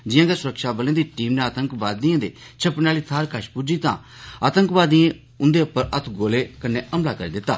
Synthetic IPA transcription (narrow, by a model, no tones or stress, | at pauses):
d͡ʒɪjãːɡeːsʊɾəkʃaːbəlẽːd̪iːʈiːmneaːt̪əŋkʋaːd̪iːãːd̪ḛːt͡ʃʰəpnaːliːt̪ʰaːɾkəʃpuːd͡ʒiːt̪ã̰ː | aːt̪ə̃ŋkʋaːd̪ijẽː | ʊnd̪eːʊpːəɾət̪ʰɡoːleːkənːeːəmlaːkəɾḭːd̪ɪt̪ːa̰ː